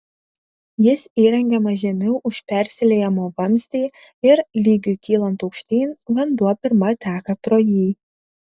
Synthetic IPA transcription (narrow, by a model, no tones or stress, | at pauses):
jɪsiːɾʲɛŋʲɡʲɛmɐʒʲɛmʲʊʔʊʃʲpʲæɾʲsʲɪlʲejɛmoːbɐmʲsʲt̪ʲiː | ɪɾlʲiːɡʲukʲiːlˠɐnt̪ɔʊkʃʲt̪ʲiːnʋɐnd̪uɔpʲɪɾmɐt̪ʲæːkɐt̪ɾoːjiː